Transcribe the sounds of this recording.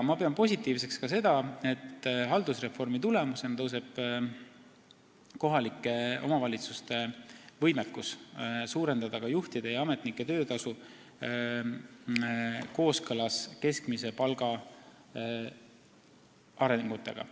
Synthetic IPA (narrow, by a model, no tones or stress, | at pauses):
mɑpeonpo̞sʲit̪ːˑiːvse̞kskɑse̞d̪̥ɑe̞t̪ːɦɑld̪usre̞fo̞rmit̪ule̞musent̪ɤws̬e̞b̥ | ko̞ɦɑlikːˑe̞o̞̰mɑvɑlʲit̪sust̪e̞vɤjmekːussuːɾe̞nd̪̥ɑd̪̥ɑkɑjuht̪id̪̥e̞jɑɑmet̪ˑnikːˑe̞t̪ø̞ːt̪ɑsu | ko̞ːskɤlɑske̞skmise̞pɑlɡ̥ɑ | ɑɾe̞ŋɡ̥ut̪ːˑe̞̰ɡ̥ɑ̰